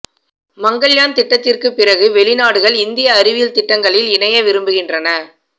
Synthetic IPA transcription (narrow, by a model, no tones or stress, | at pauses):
mɐŋɡɐɭjaːnt̪ɪʈːɐt̪ːɪrkɯpːɪrɐɣɯʋɛɭɪnaːɽɯɣɐɭɪnd̪ɪjɐːɾɪʋɪjɪlt̪ɪʈːɐŋɡɐɭɪlɪnɐjɐʋɪɾɯmbɯɣɪndrɐnɐ